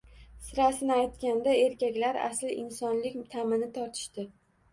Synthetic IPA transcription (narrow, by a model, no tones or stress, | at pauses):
sɪɾasɪnɪajt̪kʲand̪ae̞ɾkʲakʲlaɾa̰slɪʔɪnsɒnlɪkʲt̪ʰamɪnɪt̪ʰɒɾt̪ʰɪ̥ʃt̪ɪ